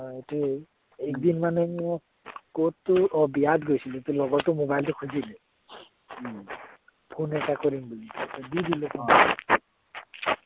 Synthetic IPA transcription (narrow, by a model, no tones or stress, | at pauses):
et̪e | ekd̪inmanemɔ | kotːuɔbijad̪ɡojsʰilet̪elɔɡɔtumobajltukʰud͡ʒile | pʰonekakɔɾimbulitɔbid̪ilepʰaw